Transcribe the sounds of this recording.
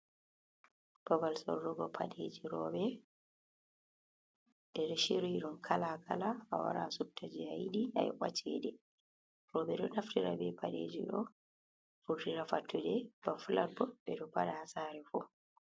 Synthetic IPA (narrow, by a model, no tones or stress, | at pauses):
b̥abalsɔ̰ɾːɔɡɔpʰaɗed͡ʒiɾɔbɛ | ɗɛɾʃiɾuiɗumkʰalakalaa̰wa̰ɾa̰sub̚tʰad͡ʒijajɗia̰jʔa̰t͡ʃʰːɛ̰ɗɛ | ɾɔɓɛɗɔnaftiɾabɛpaɗḛd͡ʒiɗɔ | fuɾdiɾafatːuɗɛbafulabɔɓɛɗɔpaɗahasaːɾɛfu